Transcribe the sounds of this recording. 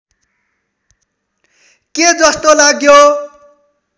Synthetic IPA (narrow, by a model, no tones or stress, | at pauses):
ked͡zʌst̪olaɡjo